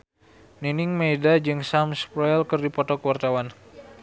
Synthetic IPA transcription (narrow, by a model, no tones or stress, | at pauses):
ninɪŋmedad͡ʒɨŋsamspɾɔɛlkɨrdipɔt̪ɔkəwart̪awan